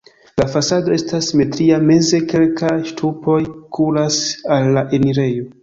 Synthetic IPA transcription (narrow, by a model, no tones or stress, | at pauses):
lafasado̞e̞stasime̞tɾiame̞ze̞ke̞lkaʃtʰupo̞jkʰulasalːaʔe̞niɾe̞jo̞